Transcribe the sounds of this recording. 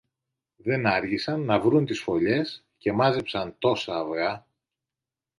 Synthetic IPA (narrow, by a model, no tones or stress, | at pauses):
ðe̞nɐɾʝisɐnːɐvɾunt̪isfo̞ʎe̞s | ce̞mɐzepsɐnt̪o̞sɐːvɣɐ